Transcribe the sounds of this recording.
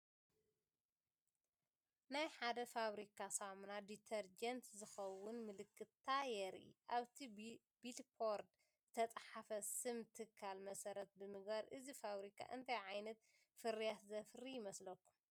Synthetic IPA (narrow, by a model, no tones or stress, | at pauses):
najħad̪ɐfaβɾikʰasamunad̪it̪ʰɐɾd͡ʒɐnt̪zɨxɐwːʊnmɨlɨkʼːɨt̪ʰːajɛɾḭʔaβt̪ʰi | b̥ilpʰoɾd̪ | zɨt̪ʰɐt͡sʼħafɐsɨmt̪ʰɨkʰːalmɐsɐɾɐt̪̚bɨmɨɡbaɾʔɨzifaβɾikʰa̰ʔɨnt̪ʰajʕajnɐt̪ | fɨɾijat̪zɐfɾijɪmɐslɐkːum